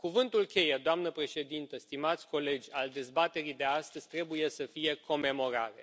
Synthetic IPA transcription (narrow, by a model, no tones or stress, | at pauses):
kuvɨnt̪ulkʲe̞jed̪oamnəpɾe̞ʃe̞d̪int̪əst̪imat̪sʲko̞le̞d͡ʒʲald̪e̞zbat̪e̞ɾid̪e̞ast̪əz̥ʲt̪ɾe̞buje̞səfije̞kʰo̞me̞mo̞ɾa̰ɾḛ